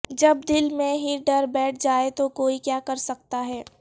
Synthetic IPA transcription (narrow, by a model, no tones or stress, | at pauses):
d͡ʒɐb̚d̪ɪlmẽɦiɖɐɾbɛːʈ̚ʰd͡ʒaːet̪okoːikjaːkɐɾsɐk̚t̪aɦɛː